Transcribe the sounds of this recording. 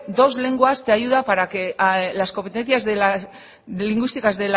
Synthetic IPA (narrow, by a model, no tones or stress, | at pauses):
d̪o̞zle̞ŋɡuast̪eajuðapaɾakelasko̞mpet̪enθjazela | liŋɡwist̪ikazd̪el